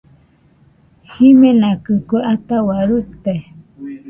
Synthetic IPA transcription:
himẽnãkɨkoʔat̪awaɾut̪e

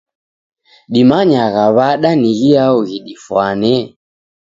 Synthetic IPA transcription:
ɗimaɲaɣaβaɗaniɣiauɣiɗifwanɛ

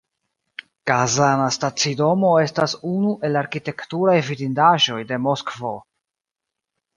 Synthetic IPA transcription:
ɡ̥azanastat͡sido̞mo̞e̞stasunuʔe̞laɾkite̞ktuɾajvidindaʒo̞jde̞mo̞skvo̞

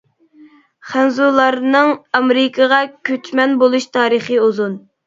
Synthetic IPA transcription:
χænzulˠɑɾnɨŋɑmɾɪkʰəʁɑkʲʰøt͡ʃʰmɛnbolˠuʃt̪ʰɑːɾɨχɨuzun

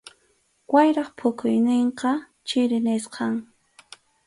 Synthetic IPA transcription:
wajɾɑχpʰʊkʊjnɪɴqɑ | t͡ʃɪɾɪnɪsqɑŋ

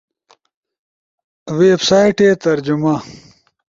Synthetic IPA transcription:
weːbsaːjʈet̪ɐɾd͡ʑuma

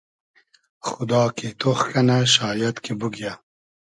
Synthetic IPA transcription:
xʊd̪ɑːket̪ʰoxkɐnaʃɑːjɐt̪kibuɡja

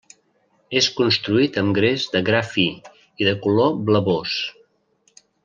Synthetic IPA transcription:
eskunst̪ɾuit̪əmɡɾezdəɣɾafi | iðəkulobləβos

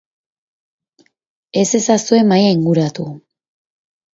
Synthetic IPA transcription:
e̞se̞sasue̞majaiŋɡuɾat̪u

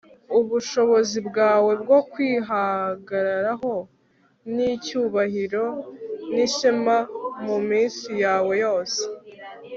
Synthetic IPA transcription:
uβuʃo̞βo̞zibɡaːwe̞bɡo̞kwiːɦaɡaɾaɾaɦo̞ | nicuːβahiɾo̞niʃimamumiːnsijaːwe̞jo̞ːse

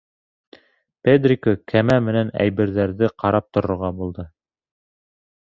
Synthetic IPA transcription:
ped̪rʲikokʰæmæmɘ̆nænæ̰jbɘ̆ɾðæɾðɘqɑɾɑp̚t̪ŏɾŏɾʁɑbulˠd̪ɤ

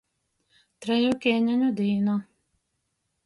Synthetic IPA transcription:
t̪ɾʲɛjukʲeːnʲɪnʲud̪ʲiːno

